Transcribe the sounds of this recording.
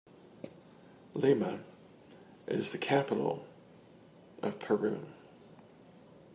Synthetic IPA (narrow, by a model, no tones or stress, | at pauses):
limə | ʔɪ̰zðɨkʰæpəɾl̩ˠ | ʔʌv̥pʰə˞ʉ̰̃n